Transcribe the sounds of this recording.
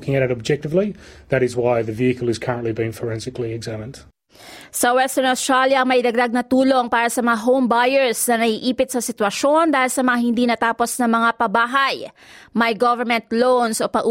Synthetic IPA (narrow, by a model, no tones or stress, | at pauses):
kɪ̃ŋɨɾɨɾɨb̚d͡ʒɛk̚tɨvliðɨɾɨzwaɪðɨviɨkəlˠɨz̥kʰɜɹə̃nʔlibĩnfə˞ɛ̃nsɨkliɨɡzæmɨ̃nd̥ | sɐwɛst̪ɛɹnost̪ɹaljɐʔɐŋmɐjd̪ɐɡ̚d̪aɡ̚nɐt̪uːlo̞ŋpaːɾɐsɐmɐŋaɦowmbajɛɹsnɐnɐɡiʔiːpɪt̪̚sɐsɪt̪wɐʃo̞nd̪aːhɪlsɐmɐŋahɪnd̪iːnɐt̪aːpo̞snɐmɐŋapɐbaːɦɐj | mɐjɡɔvɛɹmɛ̃nt̪lownso̞pɐʔu